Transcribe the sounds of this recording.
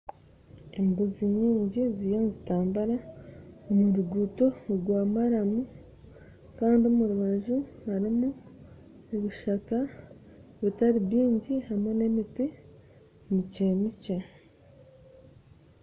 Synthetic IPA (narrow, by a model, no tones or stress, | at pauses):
embuziɲiːɲɟizijaːnzitaːmbaɾaomuɾuɡuto̞ɡwaːmaɾamu | kaːndiomuɾuβaʒuaɾimu | neβiʃaka | βitaɾiβiːɲɟihamwe̞ne̞miti | micemice